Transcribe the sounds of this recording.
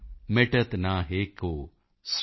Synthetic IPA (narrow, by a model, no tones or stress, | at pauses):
meʈət̪naɦeːkoː | s